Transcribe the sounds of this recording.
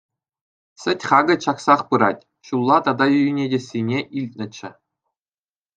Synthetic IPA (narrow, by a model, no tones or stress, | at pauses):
sʲɘ̆tʲχɑɡɤ̆ɕɑksɑχpɯɾɑ̰tʲ | ɕulˠːɑt̪ɑd̪ɑjyjinʲedʲĕsʲːinʲeʔilʲtʲnʲɘ̆t͡ɕːɘ̆